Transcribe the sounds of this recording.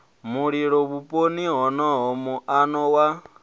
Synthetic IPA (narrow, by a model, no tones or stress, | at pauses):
muɺiɺɔβupʼoniɦɔnɔɦɔmuʔanɔwa